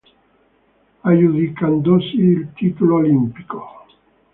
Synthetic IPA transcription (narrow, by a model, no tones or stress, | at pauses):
ajuðikand̪osiːlt̪it̪uloolimpi̥ko